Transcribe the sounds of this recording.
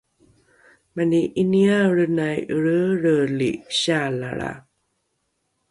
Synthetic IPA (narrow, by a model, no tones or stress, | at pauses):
maniʔiniaɾənajɾəɾəliɕala̰ɭa̰